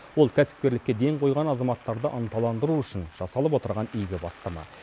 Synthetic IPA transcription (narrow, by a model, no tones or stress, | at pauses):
wo̞lˠkʲʰæsɪ̥p̚kʲe̞ɾlɪkʲːed̪e̞ŋqʰo̞jʁɑnɑzɑmɑt̪ːɑɾd̪əʔənt̪ɑlˠɑnd̪əɾuʏʃɪnʒ̥ɑsɑlˠəp̬wo̞t̪əɾʁɑnʏjɡʲɪbɑst̪ɑmɑ̰